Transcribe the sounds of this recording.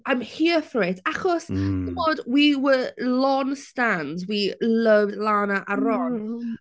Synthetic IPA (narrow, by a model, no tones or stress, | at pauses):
ajmhiːəfreːtʰaχɔsdəmoːdwiwəlɔnstandwiləvdlaːnaʔaɾɔn